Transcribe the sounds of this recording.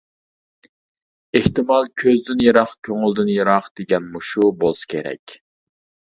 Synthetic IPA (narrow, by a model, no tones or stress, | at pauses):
eht̪ɨmɑlˠkʲʰøzd̪ynjeɾɑχkʲʰøŋylˠd̪ynjeɾɑqd̪̥eɡʲɛnmuʃubolˠsɨ̥kʲʰeɾɛ̰kʲ